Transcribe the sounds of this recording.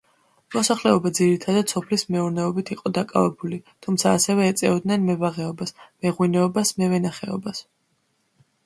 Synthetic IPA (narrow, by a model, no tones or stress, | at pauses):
mɔsaχlɛɔbad̪ziɾit̪ʰad̪ad̪sɔpʰlismɛuɾnɛɔbit̪ʰiqʼɔd̪akʼavɛbulit̪ʰumtsʰaːsɛvɛːt̪sʼɛ̰ɔd̪nɛnmɛvaʁɛɔbasmɛʁwinɛɔbasmɛvɛnaχɛ̰ɔ̰bas